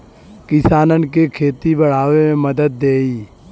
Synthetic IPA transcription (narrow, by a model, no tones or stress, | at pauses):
kɪsaːnənkekʰeːt̪ibəɽ̤aːʋemẽməd̪əd̪̚ːeːiː